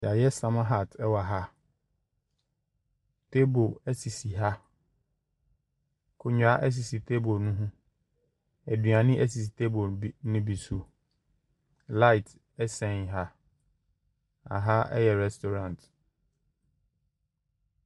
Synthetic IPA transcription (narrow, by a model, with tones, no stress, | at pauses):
a˨jɛ˦sã˨mã˦ɦa˦˨tʰɛ˦wa˨ɦa˦ | tʰe˦bo˨æ˦si˨si˨ɦa˦ | kʰʊ˨ɲᶣ˨a˦ʔæ˦s̬i˨si˨tʰe˦bo˨nʊ̃˦ɦʊ̃˦ | æ˨dɥa˨nɪ̃˦ʔæ˦s̬i˨si˨tʰe˦bo˨nʊ̃˦bi˨su˦ | la˦ɪ˨tʰ | ɛ˦sɛ̃˦˨nɦa˦ | a̰˨ɦa˦ɛ̰˦jɛ˨ɾɛ˨stʰo˨ɾã˨nt